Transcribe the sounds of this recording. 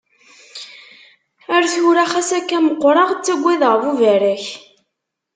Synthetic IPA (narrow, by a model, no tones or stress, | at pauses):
æɾθʊɾæχæsækːæməqːɾˤɑʁt͡sːæɡʷːiðʁəvuvæɾæç